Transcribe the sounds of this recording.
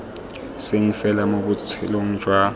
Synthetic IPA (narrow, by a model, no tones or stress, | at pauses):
seŋ̩fɛlamok̬ut͡sʰiloŋ̩d͡ʒʱwa